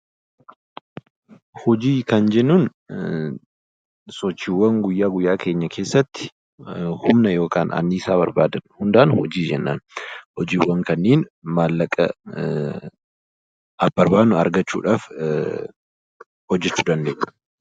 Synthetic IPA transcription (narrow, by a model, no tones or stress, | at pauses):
hɔd͡ʒiːkɐnd͡ʒɛnːuːn | sɔt͡ʃːiːwːɐŋɡʊjːaːɡʊjːaːke̞ːɲːɐkʰe̞ːsːɐt̪ːɪ̥ | hʊmnɐjo̞ːkaːnɐ̰nːiːsaːbɐɾba̰ːd̪ɐnhʊnd̪ɐʔɐnhɔd͡ʒiːd͡ʒɛnːa̰ːnhɔd͡ʒiːwːɐŋkɐnːeːnmaːlːɐkʼɐ̰ | ɐb̥ɐɾbaːd̪nʊɐ̰ɾɡɐt͡ʃːṵːᶑaːf | hɔd͡ʒːɛt͡ʃːʊd̪ɐnd̪eːʔnʊ̥